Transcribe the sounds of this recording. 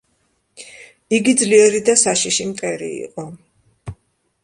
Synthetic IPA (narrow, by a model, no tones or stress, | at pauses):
iɡid̪zliɛɾid̪asaʃiʃimt̪ʼɛɾḭḭqʼɔ